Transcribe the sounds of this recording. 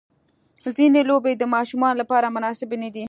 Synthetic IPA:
zinelobed̪əmɑʃumɑnolapɑɾamʊnɑsɪbnad̪i

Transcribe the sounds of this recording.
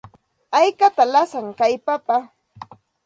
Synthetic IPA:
ajkat̪alasaŋkajpapa

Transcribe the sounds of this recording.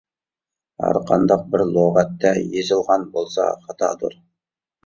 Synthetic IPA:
ɑ̰ɾqɑ̰nd̪ɑq̚bɪɾlˠoʁæt̪ːɑjezɪlˠʁɑnbolˠsɑ̰χɑt̪ɑ̰d̪ṵɾ

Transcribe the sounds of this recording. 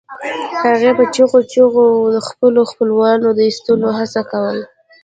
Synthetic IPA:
haɣepət͡ʃuɣot͡ʃoɣod̪əxpəloxpəlwɑnod̪əist̪əloɦasakawəl

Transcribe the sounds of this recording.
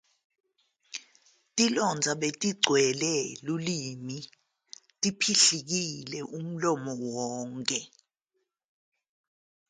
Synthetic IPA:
tʼilɔnd͡zʱaɓetʼiɡ͡ǀʱwɛlɛlulimi | tʼipʰiɬik̬ilɛʔum̩lɔmɔwɔːŋkʼɛ

